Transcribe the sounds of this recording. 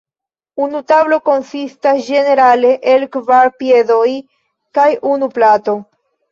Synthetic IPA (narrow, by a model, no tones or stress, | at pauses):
unutablo̞ko̞nsistasd͡ʒe̞ne̞ɾale̞ʔelkvaɾpje̞do̞j | kajunuplato̞